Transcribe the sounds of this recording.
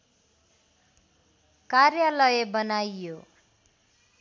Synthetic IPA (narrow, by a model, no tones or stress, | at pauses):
karjʌlʌjebʌnajjo